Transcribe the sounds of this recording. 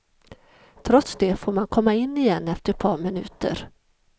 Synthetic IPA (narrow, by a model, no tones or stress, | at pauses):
t̪ʰɾɔt̪sd̪efoːɾmankʰɔmːaɪnːɪjɛnːɛft̪əɛpʰɑːɾmɪnʉ̟̰ːt̪ə̰ɾ